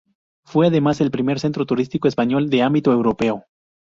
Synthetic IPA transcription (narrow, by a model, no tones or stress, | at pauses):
fwe̞aðe̞mase̞lpɾime̞ɾse̞nt̪ɾo̞t̪uɾist̪ikoespaɲo̞ld̪e̞ambit̪oe̞wɾo̞pe̞o